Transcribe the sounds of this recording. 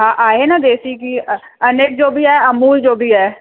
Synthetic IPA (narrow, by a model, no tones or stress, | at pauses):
ɦãːʔaːɦeːnaːd̪eːsiːki | əneːk̚d͡ʒoːbʱiːɛːəmuːld͡ʒoːbʱiːɦɛː